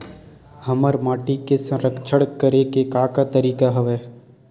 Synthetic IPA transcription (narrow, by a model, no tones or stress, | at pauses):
həməɾmaːʈikesə̃ɾəkʰt͡ʃʰəɽkːəɾekekaːkat̪əɾiːkaɦɐʋeː